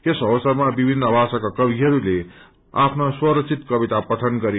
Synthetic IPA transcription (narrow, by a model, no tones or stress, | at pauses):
t̪esʌbʌsʌrmabibʱinːʌbʱasakakʌbʱiɦʌɾule | apʰnoswʌɾʌk̚t͡sʰit̪kʌbit̪apʌt̪ʰʌnɡʌɾe